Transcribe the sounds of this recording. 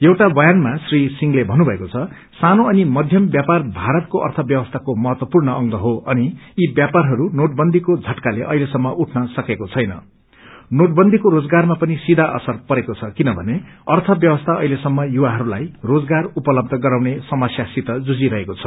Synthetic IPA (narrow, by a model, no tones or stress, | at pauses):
jewʈabʌjanmasrisiŋɡlebʱʌnubʱʌekot͡sʰʌ | sanoʌnimʌd̪ʱjʌmbjaparbʱaɾʌt̪̚koʔʌ̰rt̪ʰʌbjʌbʌst̪ʰakomʌɦʌt̪wʌpurnʌʔʌŋɡʌɦoʌniːbjaparɦʌɾunoʈ̚bʌnd̪ʱikod͡zʱʌʈkaleʔʌilesʌmːʌʔuʈʰnʌsʌkekot͡sʰʌjnʌ̰ | noʈ̚bʌnd̪ʱikoɾod͡zɡarmapʌnisid̪ʱaʔʌ̰sʌrpʌɾekot͡sʰʌkinʌbʱʌneʌrt̪ʰʌbjʌbʌst̪ʰaʌɦilesʌmːʌjuwaɦʌɾula̰jrod͡zɡarupʌlʌb̚d̪ʱʌɡʌɾaw̃nesʌmʌsjasit̪ʌd͡zud͡ziɾʌɦekot͡sʰʌ̥